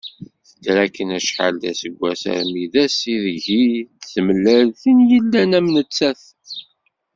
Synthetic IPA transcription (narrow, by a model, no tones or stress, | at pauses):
θə̥tːɾækːənæʃħa̰ld̪æsəɡʷːæsə̰ɾmiðæsiðʝiθəməlːəlθinjəlːænæmnət͡sːæθ